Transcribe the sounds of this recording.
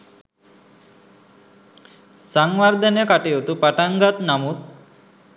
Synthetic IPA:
saŋwaɾd̪ənekaʈejot̪upaʈaŋɡat̪namut̪̚

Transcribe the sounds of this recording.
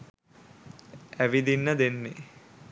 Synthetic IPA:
æʋid̪inːəd̪enːe

